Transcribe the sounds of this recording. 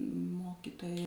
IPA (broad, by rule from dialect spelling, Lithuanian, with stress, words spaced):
ˈmoːkʲiːtoːjɛ